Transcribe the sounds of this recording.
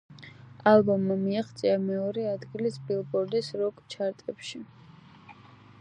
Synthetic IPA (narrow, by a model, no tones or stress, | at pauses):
alˠbɔmːamiaχt̪sʼiamɛɔɾɛad̪ɡilisbʼilˠbɔɾd̪isɾɔkʼt͡ʃʰaɾt̪ʼɛpʃi